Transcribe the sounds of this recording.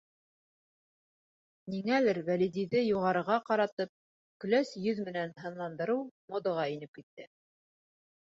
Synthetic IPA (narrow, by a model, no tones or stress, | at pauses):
niŋælɘɾvælid̪ʲijðɘjuʁɑɾɤ̆ʁɑqɑɾɑt̪ɤp̚ | kɵ̆læsjɵðmɘ̆nænɦɤ̆nlˠɑnd̪ɤ̆ɾɤwmod̪ŏʁɑinɘp̚kit̪ːɘ